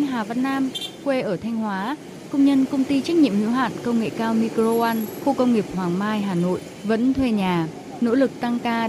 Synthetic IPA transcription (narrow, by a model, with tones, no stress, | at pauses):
ŋɦaː˨˩va˨nnaː˧mkwe˧ʔəː˧˩t̪ʰa˧jŋ̟hwaː˨˦ | kə˧wŋ͡mɲə˧nkə˧wŋ͡mt̪i˧t͡ɕa˦˥k̚ɲḭ˧˨əmhḭ˧˥wɦa̰ː˧˨nkə˧wŋ͡mŋḛ˧˨kaː˧wmi˧kɾo˧a˧nxo˧kə˧wŋ͡mŋi˨˩əp̚hwaː˨˩ŋmaː˧jɦaː˨˩no̰˧˨j | və̰˧˥nt̪ʰwe˧ɲaː˨˩ | no̰˧˥lɨ˨˩k̚t̪a˧ŋkaː˧